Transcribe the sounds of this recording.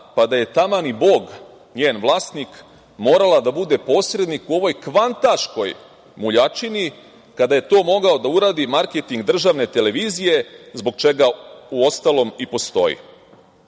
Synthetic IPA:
pad̪aje̞t̪amanibo̞ːɡ | ɲeːnʋlˠaːst̪nik | mo̞ːɾalad̪abud̪e̞po̞ːsɾe̞d̪nikuo̞ʋo̞jkʋant̪aʃko̞j | muʎat͡ʃini | kad̪aje̞t̪o̞ːmo̞ɡao̞d̪auɾaːd̪imaɾket̪iŋɡd̪r̩ʒaʋne̞t̪e̞le̞ʋiːzije̞zbo̞ɡt͡ʃe̞ɡauo̞st̪alˠo̞mipo̞st̪o̞̰jḭ

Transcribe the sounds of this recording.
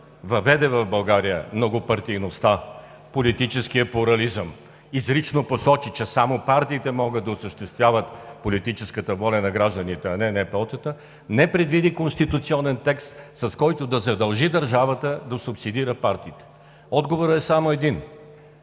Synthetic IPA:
vɐvɛd̪ɛvɐfbɐlˠɡaɾijə̰mnoɡopɐɾt̪ijnost̪a | polit̪it͡ʃɛskijəplʊɾɐlizəm | izɾit͡ʃnoposɔt͡ʃit͡ʃɛsamopaɾt̪iːt̪ɛmɔɡəd̪̚d̪ɐʊsəʃt̪ɛst̪vʲjavət̪polit̪it͡ʃɛskət̪əvɔlʲɐnɐɡɾaʒd̪ənit̪ɛɐnɛnɛpɛɔt̪ət̪ə | nɛpɾɛd̪vid̪ikonst̪it̪ʊt̪siɔnɛnt̪ɛkst̪sɐskɔjt̪od̪ɐzɐd̪ɐlˠʒid̪ɐɾʒavət̪əd̪ɐsʊpsid̪iɾəpaɾt̪iːt̪ɛ̥ | ɔd̪ɡovoɾəɛsamoɛd̪in

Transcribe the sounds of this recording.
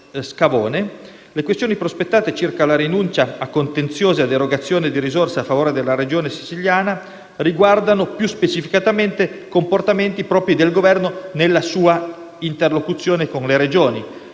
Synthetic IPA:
skavoːne | lekwest̪joːnipɾospet̪ːaːt̪et͡ʃirkalaɾinunt͡ʃaːkːont̪ent̪sjoːzead̪eɾoɡat̪sːjoːned̪iɾizorsaafːavoːɾed̪elːaɾed͡ʒoːnesi̥t͡ʃiljaːna | riɡward̪anopjuspet͡ʃifikat̪ament̪ekomport̪ament̪ipɾɔːpɾid̪elɡovɛrnonelːasuːa | int̪erlokut̪sːjoːnekonleɾed͡ʒoːni

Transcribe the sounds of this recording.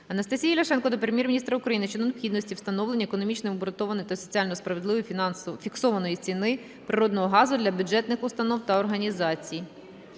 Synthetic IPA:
ɐnɐst̪ɐsʲijɐjlʲɐʃɛnkɔd̪ɔpɾemʲjɛrmʲinʲist̪ɾɐʊkɾɐjinɪʃt͡ʃɛd̪ɔnpxʲid̪nɔsʲtʲiwst̪ɐnɔwlenʲːɐekɔnɔmʲit͡ʃnɪmbɾɔt̪ɔʋɐnɔjt̪ɐsɔt͡sʲialʲnɔspɾɐʋed̪lˠɪʋɔjʲfʲiksɔʋɐnɔjit͡sʲinɪ | pɾɪɾɔd̪nɔɦɔɦɑzʊd̪lʲɐbʲʊd͡ʒɛt̪nɪxʊst̪ɐnɔwt̪ɐɔrɦɐnʲizɑt͡sʲij

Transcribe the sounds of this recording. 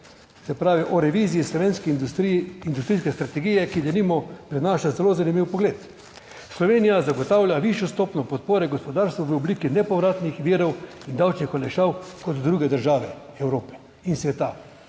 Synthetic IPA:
sɛpɾaːʋiʔɔɾɛʋiːzijislɔʋeːnskɛiind̪ust̪ɾiːskɛst̪ɾat̪ɛɡijɛkid̪animɔpɾɛnaːʃazɛlozanimiwpɔɡleːt̪ | slɔʋeːnijazaɡɔt̪awlʲjaʋiʃjɔst̪oːpnɔpɔt̪̚poːɾɛɡɔspɔd̪aːɾst̪ʋaʋəubliːkinɛpɔʋɾaːt̪nixʋiːɾɔwind̪awt͡ʃnixɔlɛʃawkɔt̪ːɾuːɡɛd̪əɾʒaːʋɛɛwɾoːpɛ̥ | insʋɛt̪a

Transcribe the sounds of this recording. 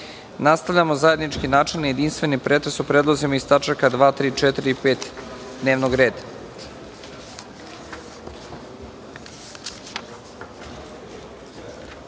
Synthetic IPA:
nast̪aʋʎamo̞zaje̞d̪nit͡ʃkinaːt͡ʃelnijed̪inst̪ʋe̞nipɾet̪ɾesupɾeːd̪lˠozimaist̪at͡ʃakad̪ʋaːt̪ɾiːt͡ʃet̪ɾiipeːt̪ | d̪neːʋnoɡɾe̞ːd̪a

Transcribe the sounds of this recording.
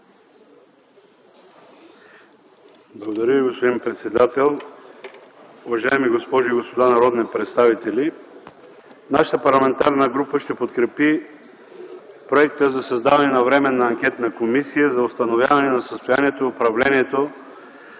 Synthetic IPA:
blˠɐɡod̪ɐɾjəviɡospod̪inpɾɛt̪sɛd̪at̪ɛlˠ | ʊvɐʒaɛmiɡospɔʒʊiɡospod̪anɐɾɔd̪nipɾɛt̪st̪avit̪ɛlʲi | naʃə̥t̪əpɐɾlˠɐmɛnt̪aɾnəɡɾupəʃt̪ɛpot̪kɾɛpi | pɾoɛkt̪əzɐsɐzd̪avɐnɛnɐvɾɛmɛnɐːŋkʲɛt̪nəkomisijəzɐost̪ɐnovʲja̰vɐnɛnɐsəst̪ojaniɛt̪oiopɾɐvlɛniɛt̪o

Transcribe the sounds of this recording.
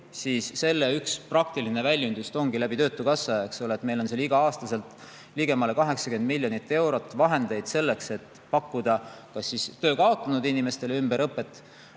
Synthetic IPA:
siːsːe̞lːe̞yksprɑk̚t̪iline̞vælʲjynd̪ust̪o̞ŋɡ̥ilæb̥it̪ø̞ːt̪ːˑukɑsːɑeksoleːt̪ːˑmejlo̞nseːliɡ̥ɑɑːst̪ɑse̞lt̪ˑ | liɡ̥e̞mɑle̞kɑɦe̞ksɑkend̪̚milʲːjonit̪ːˑe̞wɾo̞t̪ːˑvɑɦe̞nd̪e̞jd̪̥se̞lːe̞kse̞t̪ːˑ | pɑkːud̪̥ɑkɑsːist̪ø̞ːkɑo̞t̪ːˑɑnud̪inːime̞st̪e̞leymb̥e̞ɾɤpːˑe̞t̪ːˑ

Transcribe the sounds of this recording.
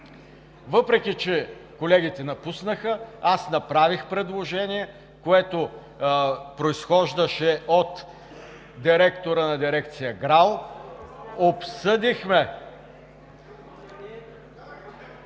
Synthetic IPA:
vɤpɾɛkʲit͡ʃɛkolɛɡʲit̪ɛnɐpusnəxəasnɐpɾavixpɾɛd̪lˠoʒɛniɛ | koɛt̪o | pɾoisxɔʒd̪əʃɛʔot̪ | d̪iɾɛkt̪oɾənɐd̪iɾɛkt̪sijəɡɾalˠ | opsɤd̪ixmɛ

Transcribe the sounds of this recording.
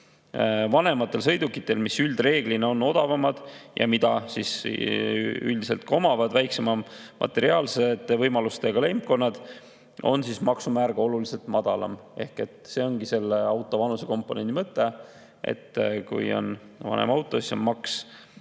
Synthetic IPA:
vɑne̞mɑt̪ːˑe̞lsɤ̞jd̪ukːˑit̪ːˑe̞lmisyld̪̥re̞ːɡ̥lineo̞nːo̞d̪̥ɑvɑmɑd̪̥jʔɑ̰mid̪̥ɑsis | y̰ld̪ise̞lt̪̚ko̞mɑvɑd̪̥væjkse̞mɑmʔɑ̰t̪ːˑe̞ɾiɑːlsed̪evɤjmɑlust̪eɡ̥ɑle̞mp̚ko̞nːɑd̪̥ | o̞̰nsismɑksumæːɾɡ̥ɑo̞lulise̞lt̪mɑd̪̥ɑlɑ̰me̞hke̞t̪ˑse̞ːo̞ŋɡise̞lːeɑwt̪ːˑo̞vɑnuse̞ko̞mpːˑo̞ne̞nd̪imɤt̪ˑːe | ʔḛt̪ːkṵjo̞̰n | vɑ̰nḛmɑwt̪ːˑo̞sisonmɑks

